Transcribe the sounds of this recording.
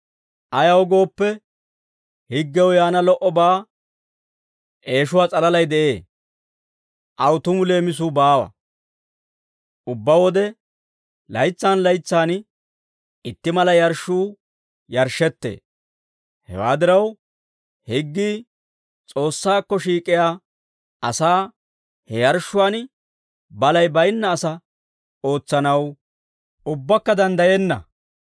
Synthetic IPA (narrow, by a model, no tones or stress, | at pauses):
ʔɐjɐwɡo̞ːpːɛ | hɪɡːɛwjaːnɐlɔʔɔbaː | ʔe̞ːʃʊwaːt͡sʼɐlɐlɐjd̪ɛʔe̞ː | ʔɐwt̪ʊmʊle̞ːmɪs̬uːbaːwɐ̰ | ʔʊbːɐwɔd̪ɛ | lɐjt͡sːaːnlɐjt͡sːaːn | ʔɪt̪ːɪmɐlɐjɐɾʃuː | jɐɾʃɛt̪ːḛː | hɛ̰wa̰ːd̪ɪɾɐw | hɪɡːiː | t͡sʼo̞ːsːaːkːɔʃiːkʼɪjaː | ɐsaː | hɛjɐɾʃːʊwaːn | bɐlɐjbɐjnːɐːsɐ | o̞ːt͡sːɐnɐw | ʔʊbːɐkːɐd̪ɐnd̪ɐjɛnːɐ̰